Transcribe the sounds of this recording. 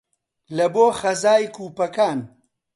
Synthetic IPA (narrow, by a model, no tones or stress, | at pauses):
lɐboːxɐzaːjkʰuːpɐkaːn